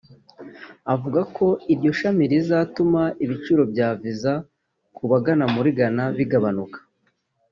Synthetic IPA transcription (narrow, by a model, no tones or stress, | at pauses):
avuɡakʰo̞iɾɟo̞ʃamiɾizaːtumaiβit͡ʃuɾo̞bɟaːviza | kuβaɡanamuɾiɡanaβiɡaβanukḁ